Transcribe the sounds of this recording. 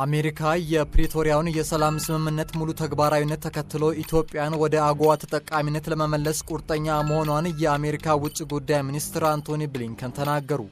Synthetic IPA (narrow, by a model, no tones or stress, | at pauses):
ʔame̞ɾikʰajɛpɾet̪ʰo̞ɾijawnjɛsəlamsɨmɨmːɨnːət̪mulut̪ʰəɡbaɾawinːət̪ʰːəkʰət̪ːɨlowʔit̪ʰjo̞pʼːɪjanwɔd̪əaɡoat̪ʰət̪ʼəkʼːaminːət̪ləməməlːəskʷʼuɾt̪ʼəɲːaməho̞nwanjɛame̞ɾikʰawʊt͡ʃʼːiɡud̪ːajminist̪ɨɾant̪ʰonibliŋkʰənt̪ʰənaɡːəɾu